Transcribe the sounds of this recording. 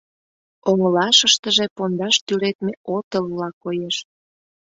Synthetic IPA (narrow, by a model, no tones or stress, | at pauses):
oŋəlɑʃəʃt̪əʒepond̪ɑʃt̪ylet̪meot̪əllɑkojeʃ